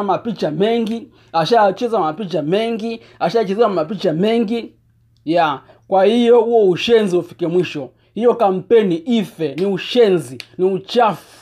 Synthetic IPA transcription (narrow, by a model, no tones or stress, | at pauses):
mapit͡ʃamɛŋɡi | aʃajat͡ʃɛzamapit͡ʃamɛŋɡi | aʃaat͡ʃɛzɛamapit͡ʃamɛŋɡi | ja | kwahijɔhuɔuʃɛnziufi̥kɛmwiʃɔ | hijɔkam̩pɛniʔifɛniuʃɛnziniut͡ʃaf